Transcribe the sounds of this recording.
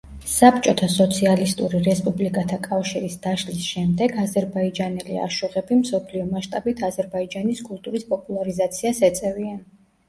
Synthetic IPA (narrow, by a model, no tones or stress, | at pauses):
sap̚t͡ʃʼɔt̪ʰasɔt̪sʰialist̪ʼuɾiɾɛspʼublikʼat̪ʰakʼafʃiɾisd̪aʃlisʃɛmd̪ɛɡazɛɾbaid͡ʒanɛlḭa̰ʃuʁɛbimsɔpʰliɔmaʃt̪ʼabit̪ʰazɛɾbaid͡ʒaniskʼulˠt̪ʼuɾispʼɔpʼulˠaɾizat̪sʰiasɛt̪sʼɛvian